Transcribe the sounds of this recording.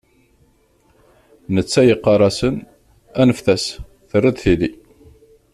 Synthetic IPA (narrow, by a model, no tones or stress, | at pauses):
nət͡sːæjəqːɑɾˤɑsən | ænəfθæs | θərːid̪θiði